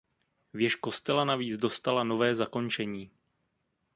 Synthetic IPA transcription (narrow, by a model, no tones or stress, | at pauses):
vjɛʃko̞st̪ɛlanaviːd͡zdo̞st̪alano̞vɛːzako̞nt͡ʃɛɲiː